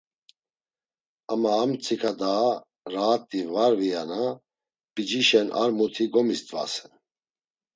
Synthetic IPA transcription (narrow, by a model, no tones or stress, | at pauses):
amaːmt͡sʰʼikʰad̪a | ɾaːt̪ʼːivaɾvijana | pʼid͡ʒiʃɛnʔa̰ɾmut̪ʰiɡɔmist̪ʼva̰sɛ̥